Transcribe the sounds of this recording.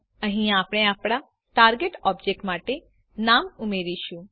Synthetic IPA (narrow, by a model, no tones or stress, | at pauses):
əɦĩaːpɽ̃ẽaːpɽ̃a | ʈaːɾɡeʈɔːbd͡ʒek̚ʈmaːʈe | naːmumeɾiʃũ